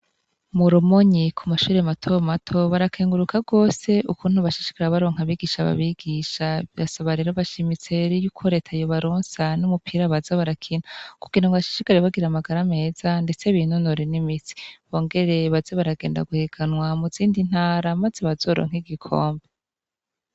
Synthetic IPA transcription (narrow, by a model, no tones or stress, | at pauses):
muɾumoɲikʰumaʃuːɾe̞matʰo̞matʰo̞βaɾakʰeːŋɡuɾukʰaɡo̞ːse̞ukunhuβaʃi̥ʃi̥kaɾeβaɾoːŋ̥haβiɡiʃaβa̰βiɡiʃaβiɾasaβaɾe̞ɾoβaʃimit͡seɾijuːkʰo̞ɾe̞ːtʰajoβaɾoːnsanumupʰiɾaβazaβaɾakʰinaku̥kinuŋɡaβaʃi̥ʃikaɾeβaɡiɾamaɡaɾame̞ːzande̞t͡se̞βinunoɾenimit͡si̥βo̞ːŋɡe̞ɾe̞βazeβaɾaɡe̞ːnda̰ɡuheɡanwamuziːndin̥haːɾamazeβazo̞ɾo̰ːŋ̥iɡikʰo̞ːmbe